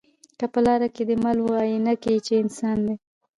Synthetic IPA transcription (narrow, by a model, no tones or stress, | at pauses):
kapəlɑɾaked̪əmalwɑjenakeit͡ʃeɪnsɑnd̪e